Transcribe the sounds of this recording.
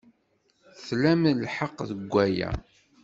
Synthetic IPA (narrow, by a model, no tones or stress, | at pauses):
θlæmlħəqːðəɡʷːæjæ̰